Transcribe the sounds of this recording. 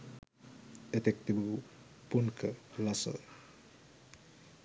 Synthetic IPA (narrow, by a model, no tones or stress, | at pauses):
et̪ek̚t̪ibu | punkʰəlasə̰